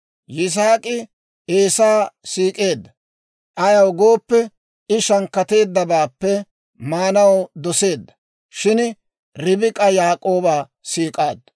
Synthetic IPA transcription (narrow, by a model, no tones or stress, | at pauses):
jɪs̬aːkʼɪ | ʔeːsaːsiːkʼe̞ːd̪ːɐ | ʔɐjɐwɡo̞ːpːɛ | ʔɪʃɐŋkːɐt̪e̞ːd̪ːɐbaːpːɛ | maːnɐwd̪ɔse̞ːd̪ːɐ | ʃɪn | ɾɪbɪkʼɐjaːkʼo̞ːbaː | siːkʼaːd̪